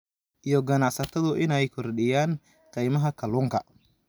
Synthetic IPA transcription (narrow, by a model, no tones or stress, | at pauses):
ʔijɔɡɐnaʕsɐt̪ʰɐðʊʔɪnɛjkʰɔrɗɪjaːn | qɛjmɐɦɐkʰɐluːŋkʰɐ